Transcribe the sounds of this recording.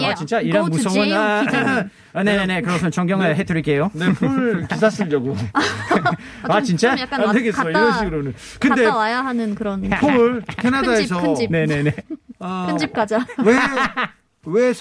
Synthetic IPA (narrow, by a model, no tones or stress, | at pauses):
at͡ɕint͡ɕ͈aiɾʌnmusʰʌŋɯna | ne̞nene̞kɯɾʌsʰʌt͡ɕʌŋɡjʌŋeɦetʰɯɾikʰejone̞pʰɯɭkis̬ʰas͈ɯʎjʌɡo | at͡ɕint͡ɕ͈ak͈andeɡe̞sʌiɾʌnɕʰiɡɯɾonɯn | kɯnde̞ajaɦanɯnkɯɾʌnʰoɯɭkʰenadaes̬ʰʌine̞ne̞neakʰɯnd͡ʑip̚k͈ad͡ʑawe | we